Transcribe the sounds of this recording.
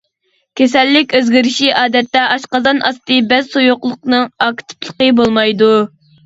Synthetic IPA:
kʲʰesɛlːɪkʲøzɡʲiɾɪʃiʔɑːd̪ɛt̪ːɛʔɑʃqɑzɑnʔɑst̪ɨbɛzsojoqlˠʊqnɨŋɑkʲt̪ʰɨ̥plˠə̥qəbolˠmɑjd̪u

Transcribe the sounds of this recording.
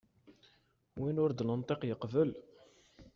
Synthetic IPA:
winʊɾd̪lənt̪ˤeqjəqvəl

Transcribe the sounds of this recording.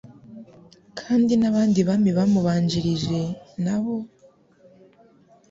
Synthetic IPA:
kʰaːndinaβaːndiβamiβamuβaːɲd͡ʒiɾiʒe̞naβo̞

